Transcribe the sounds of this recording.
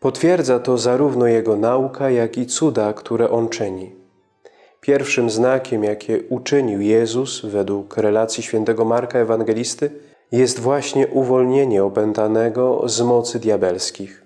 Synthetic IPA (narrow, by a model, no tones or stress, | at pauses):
pɔt̪fʲjɛɾd̪zat̪ɔzaɾuvnɔjɛɡɔnaukʰajakit̪sud̪akt̪ʰuɾɛʔɔnt͡ʂɘɲi | pʲjɛɾfʂɘmznakʲɛmjakʲɛut͡ʂɘɲiwjɛzusvɛd̪wukɾɛlat̪sʲjiɕfʲjɛnt̪ɛɡɔmaɾkaɛvaŋɡɛlʲist̪ɘ | jɛst̪vwaɕɲɛʔuvɔlɲeɲɛɔpɛnt̪anɛɡɔ̰zmɔt̪sɘd̪ʲjabɛlskʲix